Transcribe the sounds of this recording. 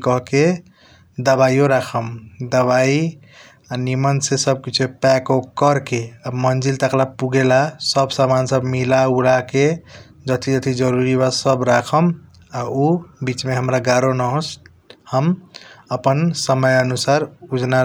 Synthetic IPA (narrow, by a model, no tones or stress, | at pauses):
kəɦke | d̪əbaijoɾakʰəmd̪əβai | animənsesəb̚kit͡ʃʰepɛkokəɾkeamənd͡ʒilt̪əklapuɡelasəbsamansəbmilaulake | d͡ʒət̪ʰid͡ʒət̪ʰid͡ʒəɾuɾibasəbɾakʰəm | aubit͡ʃmeɦəmɾaɡaɾonəɦos | həməpənsəməjənusaɾud͡ʒna